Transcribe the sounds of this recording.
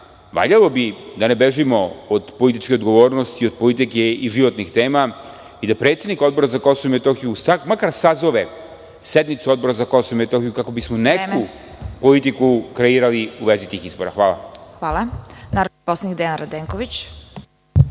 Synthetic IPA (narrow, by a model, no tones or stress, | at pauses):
ʋa̰ʎalˠo̞bid̪anebeʒimo̞od̪po̞lit̪it͡ʃkeod̪ɡo̞ʋo̞ːɾnost̪iod̪̚po̞lit̪ikeiʒiʋo̞t̪nixt̪e̞ːma | id̪apɾet̪se̞d̪niko̞d̪bo̞ɾazako̞soʋuimet̪o̞xijusakmakaɾsazo̞ʋe | sed̪mit̪suo̞d̪̚bo̞ɾazako̞soʋumet̪o̞xijukako̞bismoneku | po̞lit̪ikukɾeiːɾaliuʋe̞zit̪iːxizbo̞ɾa̰xʋaːla̰xʋaːlˠanaːɾod̪iposlˠeɲikd̪ejanɾad̪eːŋkoʋit͡ɕ